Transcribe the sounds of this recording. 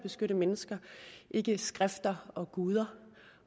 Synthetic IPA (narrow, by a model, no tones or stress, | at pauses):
b̥e̝sɡ̥øɾəmenəsɡ̥ɐʔe̝ɡ̥əsɡ̥ʁafd̥ɐɒ̽ɡ̥uːð̞ˠɐ